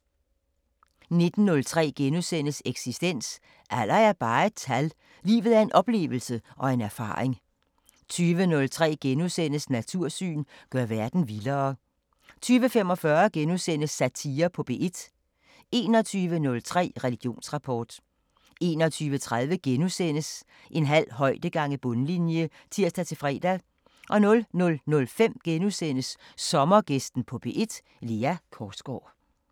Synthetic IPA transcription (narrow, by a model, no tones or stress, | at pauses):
ne̝d̥n̩ːɔ̽lt͡sʰʁɛ̰ːɡ̥enusen̰əseɡ̥sisd̥en̰s | ʔæl̰ɐæɐb̥ɑ̈ːe̝d̥̚t͡sʰæl | lḭːʋð̞̩ˠæɐe̝nʔɒ̽b̥le̝̰ːʋl̩səʔɒ̽e̝næɐfɑ̰̈ːʁeŋ | t͡sʰyːʋənɔ̽lt͡sʰʁɛ̰ːɡ̥enusen̰əsnæt͡sʰuɐ̰sy̰ːnɡ̥ɶɐʋæɐd̥n̩ʋilɐː | t͡sʰyːʋəfem̰ɒ̽fɶɐɡ̥enusen̰əsːæt͡sʰiːɐpʰɒ̽b̥e̝ʔed̥ | e̝ːnɒ̽t͡sʰyːʋənɔ̽lt͡sʰʁɛ̰ːʁɛliɡ̥jo̝̰ːnsʁɑ̈pʰɒ̰ːd̥ | e̝̰ːnɒt͡sʰyːʋət͡sʰʁað̞ˠʋəɡ̥enusen̰əs | ʔe̝nɦæl̰ɦɒ̽ɪ̰d̥əɡ̥ɑ̈ŋ̰əb̥ɔ̽nlinjə | t͡sʰiɐ̰sd̥æt͡sʰe̝fʁɛ̰ːd̥æ | ʔɒ̽nɔ̽lnɔ̽lnɔ̽lfem̰ɡ̥enusen̰əsːɒ̽mɐɡ̥esd̥n̩pʰɒ̽b̥e̝ʔe̝d̥ | leːækʰɒːd̥sɡ̥ɒ̰ː